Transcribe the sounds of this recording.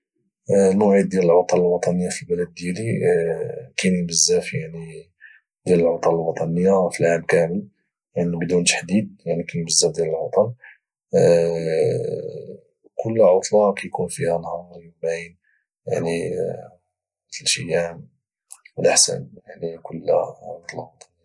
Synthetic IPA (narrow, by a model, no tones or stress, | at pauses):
nʊʕid̪̚d̪ːjæləlʕot̪ˤɑləlwɑt̪ˤɑnəjːafilbæləd̪̚ːjæli | kænjbəzːæfjaʕni | d̪jæləlʕot̪ˤɑləlwɑt̪ˤɑnəjːafilʕabkæməl | jaʕnibd̪unt̪ḁħd̪id̪̚jaʕnikænbəzːæfd̪jæləlʕot̪ˤɑl | kʰʊlːʕot̪ˤlɑkæjkunfihænhɑɾˤjumbæn | jaʕni | mət̪əlʃiam | wəlʔəħsə̰njaʕnikʊlːʕot̪ˤlɑwɑt̪ˤɑn